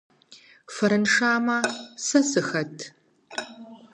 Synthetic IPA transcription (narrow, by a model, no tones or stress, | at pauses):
fɐɾɨnʂaːmɐsɐsɨxɐtʰ